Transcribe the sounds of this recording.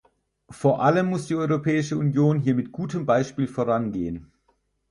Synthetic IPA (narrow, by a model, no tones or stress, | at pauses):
foːɐʔaləmːʊsd̥iːʔɔʏʁopʰɛːɪʃəunjoːnɦiːɐmɪtɡ̥uːtəmbaɪʃpiːlfoːɐʁ̞anɡeːən